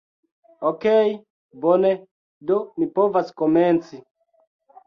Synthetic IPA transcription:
okej | bonɛ | domipovaskomɛnt͡si

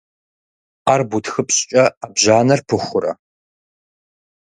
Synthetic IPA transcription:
arbutʰxɨpɕʼt͡ʃʼɐabʑaːnɐrpʰɨxʷʊɾɐ̰

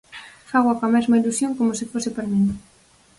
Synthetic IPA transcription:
faɣwakamɛzmailusjoŋkomosɪfosɪpaɾmĩŋ

